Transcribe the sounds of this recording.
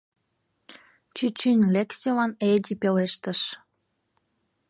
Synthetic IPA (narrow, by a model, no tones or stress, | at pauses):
t͡ɕyt͡ɕynʲlʲeksʲilɑned̪ʲipeleʃt̪əʃ